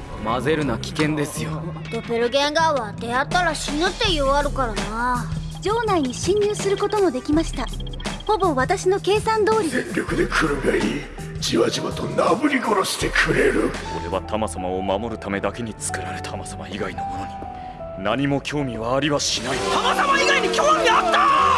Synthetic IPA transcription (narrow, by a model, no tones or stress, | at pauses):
maze̞ɾɯ̟nakʲi̥kẽ̞nd̪e̞sɨjo | d̪̥o̞pe̞ɾɯ̟ɡẽ̞ŋɡaβad̪e̞at̪ːaɾaɕinɯt̪ːe̞joβaɾɯ̟kaɾana | d͡ʑo̞ːnaiɲ̟iɕĩɲ̟ːɨːsɨɾɯ̟ko̞t̪o̞mo̞d̪e̞kʲimaɕi̥t̪a | ho̞bo̞βat̪aɕino̞ke̞ːsãnd̪o̞ːɾʲiẽŋɾʲo̞kɯd̪e̞kʰɯ̟ɾɯɡaiɾʲi | d͡ʑiβaʑimat̪o̞nabɯ̟ɾʲiɡo̞ɾoɕi̥t̪e̞kʰɯɾe̞ɾɯso̞ɾe̞βat̪ʰamasamao̞mamo̞ɾɯ̟t̪ame̞d̪ake̞ɲ̟it͡sɨ̥kɯ̟ɾaɾe̞t̪ʰamasamaiɡaino̞mono̞ɲ̟i | naɲ̟imo̞kʲʰo̞ːmʲiβaːɾʲiβaɕinaisonot̪amaiɡaiɲʲikʲoːmʲiat̪ːa